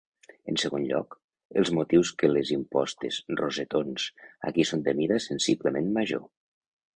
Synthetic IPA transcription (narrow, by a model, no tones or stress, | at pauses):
ənsəɣonʎɔ̰k | əlˠzmut̪iwskəlezimpɔst̪ezrozet̪onsa̰kisont̪emiðasənsipləmenmaʒo̰